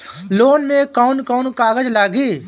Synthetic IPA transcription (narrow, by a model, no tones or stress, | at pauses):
loːnmẽkɔːnkɔːnkaːɡəd͡ʒlaːɡiː